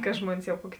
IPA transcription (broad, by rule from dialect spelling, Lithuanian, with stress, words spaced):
kɐ ˈʒmuɔnʲɪs jɛʊ ˈkuɔkʲɪ